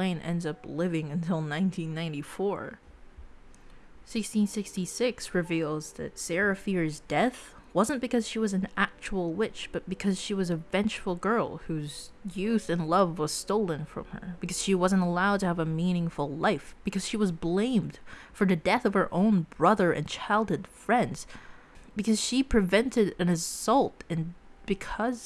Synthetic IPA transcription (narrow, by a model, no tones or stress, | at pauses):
lẽɪ̃nʔɛ̰̃ndzʌplɪvɪ̃ŋɨ̃ntʰɪlˠnãɪ̃ntʰĩnːãɪ̃ntifɔɹ | sɪkstĩnsɪkstisɪksɹɨvilˠzðɨ̰tsɛɹɨfiɹzdɛθwʌzə̃nb̥ɨkʌz̥ʃiwʌzn̩æk̚t͡ʃul̩ˠwɪt͡ʃb̥ʌt̚b̥ɨkʰʌz̥ʃiwʌzɨvɛ̃nt͡ʃfl̩ˠɡɜ˞lˠhʉzjʉθɨ̃nlʌvwʌz̥stoʊlˠə̃nfɹʌ̰̃mə̰˞b̥ɨkʰʌz̥ʃiwʌz̃ntəlaʊd̚tɨːvəmĩnɪ̃ŋfl̩ˠlaɪfb̥ɨkʰʌz̥ʃiwʌzblẽɪ̃md̥fə˞ðɨdɛθʌv̥ə˞ʔõʊ̃nbɹʌðə˞ʔɨ̰̃nt͡ʃʰaɪlˠd̚ɨd̥fɹɛ̃ndz̥ | b̥ɨkʰʌz̥ʃipʰɹ̥ɨvɛ̃ntɨɾɨ̃nɨsʌlˠtɨ̃nb̥ɨkʰʌz̥